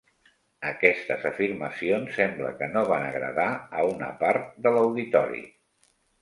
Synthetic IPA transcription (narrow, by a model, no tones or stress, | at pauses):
əkɛst̪əzəfiɾməsionsːɛmblə̰kənoβanəɣɾə̰ðaəunə̰paɾt̪̚d̪ələwðit̪ɔɾḭ